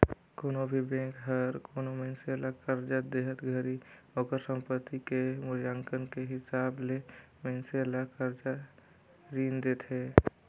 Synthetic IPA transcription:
koːnobʱibẽːkɦəɾkoːnomɛ̃nseəlakəɾd͡ʒad̪eːɦət̪ɡʱəɾioːkəɾsə̃mpət̪ːikemʊɾjaːŋkənkeɦɪsaːble | mɛ̃nselakəɾd͡ʒa | ɾiːnd̪eːt̪ʰɦe

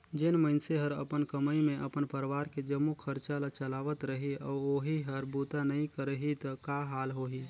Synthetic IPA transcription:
d͡ʒɪnməɪnseɦəɾə̰pənkəməimẽʔəpənpəɾʋaːɾked͡ʒəmːukʰəɾt͡ʃalat͡ʃəlaːʋət̪ɾəɦiɔːoːɦiɦəɾbuːt̪anəɦĩkəɾəɦit̪əkaɦaːlɦoːɦiː

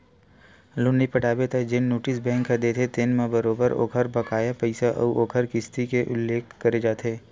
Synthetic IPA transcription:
lʊnːipɐʈaːbet̪ʰed͡ʒɪnːoːʈɪsbɛ̃ːŋkʰːad̪eːt̪ʰet̪enmẽbɐɾoːbəɾo̰ːkʰəɾbɐkaːjapəɪsaʔɔ̰oːkʰəɾkɪst̪ikeʔʊ̰lːeːkʰkɐɾed͡ʒaːt̪ʰeː

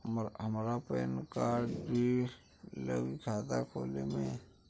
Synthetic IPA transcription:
ɦəmɾapɛ̰ːnkaɖbʱi | lə̰ɡikʰaːt̪akʰoːlemẽ

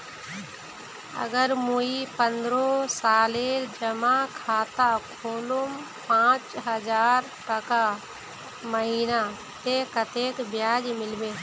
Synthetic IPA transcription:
ə̰ɡəɾmuipənd̪ɾosaːleːɾd͡ʒəmakʰaːt̪akʰoːlum | pãːt͡ʃɦəd͡ʒaːɾ | ʈɐka | məɦiːna | t̪ekət̪eːkbjaːd͡ʒmɪlbe

